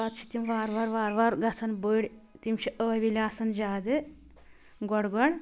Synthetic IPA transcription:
at̪̚t͡ʃʰi̥t̪imʋaːɾʋaːɾʋaːɾʋaːɾɡɐsɐnbəɽʲt̪imt͡ʃʰiʔəːʋilʲaːsɐnd͡ʒaːd̪ɨ | ɡɔɽɡɔɽ

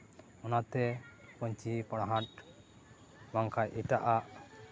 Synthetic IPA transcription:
ɔnat̪ɛpɔɲt͡ʃipɔɽaɦãʈ̚ | baŋkʰajʔiʈaʔaʔ

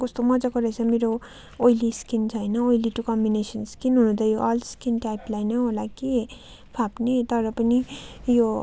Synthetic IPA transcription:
kʌst̪omʌd͡zaɡʌɾet͡sʰʌmeɾo | ojliskint͡sʰʌjnʌojliʈukʌmbinesʌnskinɦunũd̪ʰʌjoʔalskinʈajplajnʌɦolake | pʰapnet̪ʌɾʌpʌnijo

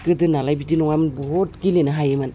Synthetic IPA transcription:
kɯdɯnalajbidinɔŋajmɯnbɔɦɔt̚kilenaɦajemɯn

